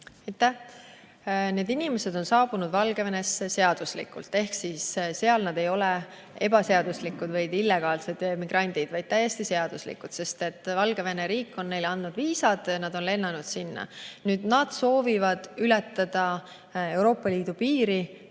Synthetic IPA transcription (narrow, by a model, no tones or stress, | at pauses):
ejt̪ːˑæ | ne̞ːd̪inime̞se̞d̪̥o̞nsɑːbunud̪vɑlɡ̥e̞vene̞sːese̞ɑd̪̥uslḭkːṵlt̪ːˑe̞hksisse̞ɑlnɑd̪e̞jo̞le | e̞b̥ɑse̞ɑd̪̥uslikːˑud̪̥vɯjd̪ilːe̞ɡ̥ɑːlse̞d̪̥miɡ̥rʔɑnʲd̪̥id̪̥vɑjd̪̚t̪æjːe̞st̪ise̞ɑd̪̥uslḭkːud̪̥se̞st̪e̞t̪ːˑvɑlɡe̞ve̞neɾiːkːˑo̞nːe̞jlɑnd̪nud̪̥viːsɑd̪̥ɑnɑd̪o̞nle̞nːɑnud̪̥sinːɑ̰nyːd̪̥nɑd̪̥so̞ːvivɑd̪̥ylɛt̪ːˑɑd̪̥ɑ | e̞wɾo̞ːpˑːɑliːd̪̥upiːɾi